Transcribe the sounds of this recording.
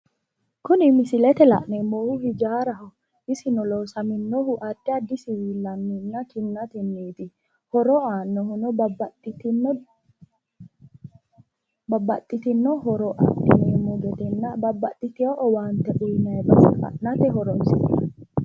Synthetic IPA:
kʊnɪmɪsɪlɛt̪ɛlɐ̰ʔnemːɔhʊhɪd͡ʒaːɾɐhɔ | ɪsɪnɔloːsɐmɪnːɔhʊʔɐd̪ːɛɐd̪ɪsɪwilɐmːɪnːɐt͡ʃɪnːɐt̪ɛnːeːt̪ɪ | hɔɾɔaːnːɔhʊnɔbt̪ː | bɐbːɐt̪ʼːɪt̪ɪnːɔhɔɾɔʔɐ̰ʔɪneːmːɔd̪ɔd̪ɛnːɐbɐbːɐt̪ʼːɪt̪ɪɐʔɔwaːnt̪ɛkɛjnɐɛd̪ɔskʼɐ̰ʔnɐt̪ɛɦɔɾɔnsɪɐ̰

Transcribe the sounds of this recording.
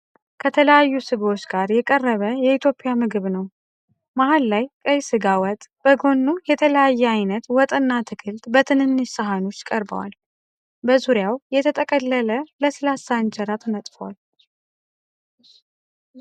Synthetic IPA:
kʰət̪ʰələjajːusɨɡwo̞t͡ʃːɡaɾjɛkʼərːəβəjɛit̪ʰjo̞pʼjamɨɡɨβnəw | mahalːajkʼəjsɨɡawɔt̪ʼb̥əɡo̞nːujɛt̪ʰələjajːɛajnət̪wɔt̪ʼɨnːat̪ʰɨkʰɨlt̪bət̪ʰɨnɨnːɨʃsəɦano̞t͡ʃːkʼəɾbə̰wa̰l | bəzuɾjawjɛt̪ʰət̪ʼəkʼəlːələləsɨlasant͡ʃəɾat̪ʰɨnət̪ʼfəwal

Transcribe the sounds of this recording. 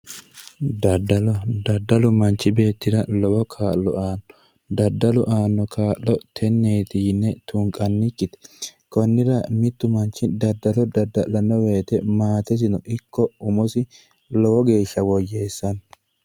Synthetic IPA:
d̪ɐd̪ɐlɔd̪ɐd̪ːɐlʊmɐnt͡ʃːɪbe̞ːt̪ːɪd̪ɐlɔwɔkʰaːlːɔ̰aːnːɔ | d̪ɐd̪ːɐlʊʔaːnːɔkʰaːlːɔt̪ʰɛnːeːt̪ɪjɪnːɛt̪ʊŋkʼɐnːɪkːɪt̪ɛ̥kɔnːɪɾɐmɪt̪ːʊmɐnt͡ʃɪd̪ɐd̪ːɐlɔd̪ɐd̪ːɐlːɐnːɔwe̞ːt̪ɛmaːt̪ɛs̬ɪnɔʔɪkːɔʊmʊsɪ | lɔwɔɡe̞ːʃːɐwɔjːe̞ːsːɐn

